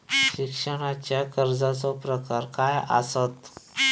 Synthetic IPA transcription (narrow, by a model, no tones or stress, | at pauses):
ɕikʂəɽ̃at͡ɕjakəɾd͡zat͡sɔpɾəkaɾkaja̰sət̪